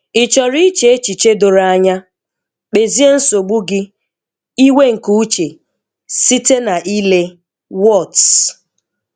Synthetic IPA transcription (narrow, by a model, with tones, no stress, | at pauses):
ɪ˨t͡ʃɔ˨ɾi˦t͡ʃe˨e˦t͡ʃi˨t͡ʃe˦do˨ɾa˦a˦ɲa˦ | k͡pe˨zi˦e˦n̩˦so˨ɡ͡bu˦ɡɪ˦ | i˦we˦ŋ̩˨ku˦u˦t͡ʃe˨ | si˦te˦na˨ʔi˦le˦ | wɔ˦˨ts